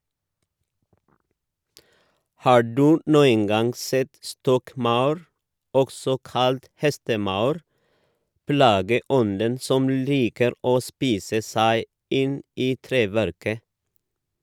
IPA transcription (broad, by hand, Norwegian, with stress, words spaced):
ˈhɑː ˈɖʉː ˈnuːən ˈɡɑŋ ˈsɛt ˈstɔkˌmɑʉɾ ˈɔksɔ ˈkɑlt ˈhɛstəˌmɑʉɾ ˈplɑːɡəˌɔndən ˈsɔm ˈliːkəɾ ˈoː ˈspiːsə ˈsæɪ ˈɪn ˈiː ˈtɾeːʋæɾkə